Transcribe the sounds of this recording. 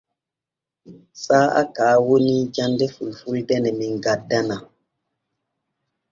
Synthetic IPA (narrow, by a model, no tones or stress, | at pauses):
saːa̰kaːwonid͡ʒandɛfulfuldɛnɛmiŋɡadana